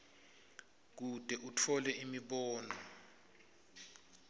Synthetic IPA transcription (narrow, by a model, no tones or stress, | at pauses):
k̬ud̥ʱɛʔutʰɔlɛʔimiɓɔːnɔ